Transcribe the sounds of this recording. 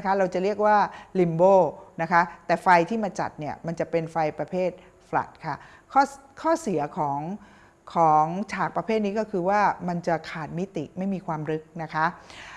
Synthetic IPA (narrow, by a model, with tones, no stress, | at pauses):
n˦kʰa˦˥ɾa˧wt͡ɕa˨˩ɾi˥˩ək̚waː˥˩li˧mboː˥˩na˦˥kʰa˦˥t̪ɛː˨˩fa˧jt̪ʰiː˥˩maː˧t͡ɕa̰˨˩t̪̚ni˥˩ɐma˧nt͡ɕa˨˩pe˧nfa˧jpɾa˧pʰeː˥˩t̪̚ | fla̰˨˩t̪̚kʰa˥˩ | kʰɔː˥˩ | kʰɔː˥˩si˨˩˦ɐkʰɔː˩˦ŋ | kʰɔː˩˦ŋt͡ɕʰaː˨˩k̚pɾa˧pʰeː˥˩t̪̚niː˦˥kɔː˥˩kʰɯː˧waː˥˩ma˧nt͡ɕa˨˩kʰaː˨˩t̪̚mi˦˥t̪ḭ˨˩ma˥˩jmiː˧kʰwaː˧mɾɯ˦˥k̚na˦˥kʰa˦˥ʔ